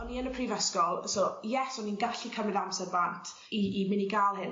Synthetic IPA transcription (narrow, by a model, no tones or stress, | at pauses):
ɔnːiənəpʰrivəskɔlˠsojɛsɔninɡaɬikʰəmɪðamsɛrbantʰ | iːmɪniɡaːlˠhɪn